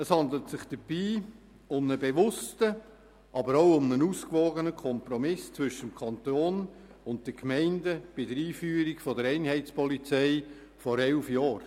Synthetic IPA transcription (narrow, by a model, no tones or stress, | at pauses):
əshɑndlətsɪχd̥əb̥iː | ʊmnəbeʋʊstə | ʔɑbəɾoʊʊmnənuːskʋoːɡənəkʰɔmpɾɔmɪst͡sʋʏʃəmkʰɑntoːnʊntd̥əkmɛɪndəb̥ɪdəɾiːfyːəɾikfɔdəɾɛɪnhɛɪt͡spɔlit͡sɛɪ | fɔɾɛlfjɑːɾ